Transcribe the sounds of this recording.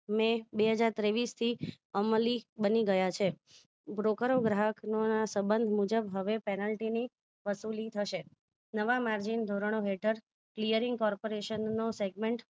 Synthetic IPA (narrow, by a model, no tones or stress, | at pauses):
mẽbeɦəd͡ʒaɾt̪ɾeʋist̪ʰi | əməlibəniɡəjat͡ʃʰe | bɾokəɾoɡɾaɦəknonasəbənd̪ʱmud͡ʒəbɦəʋepɛnəlʈini | ʋəsulit̪ʰəʃe | nəʋamaɾd͡ʒind̪ʱoɾəɳ̃oɦeʈʰəɾ | klijəɾiŋɡkɔɾpoɾeʃənːoseɡmẽɳʈ